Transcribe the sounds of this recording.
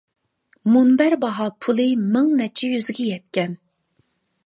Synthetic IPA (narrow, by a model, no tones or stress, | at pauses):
munbæɾbɑɦɑpʰulˠɨmɪŋnɛt͡ʃʰɛjyzɡʲɛjɛt̪kʲɛn